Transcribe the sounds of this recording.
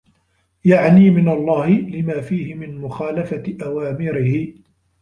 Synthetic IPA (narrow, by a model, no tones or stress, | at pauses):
jaʕniːmɪnalˤːɑːhɪlɪmaːfiːhɪmɪnmʊxaːlafaʔawaːmɪɾɪhɪ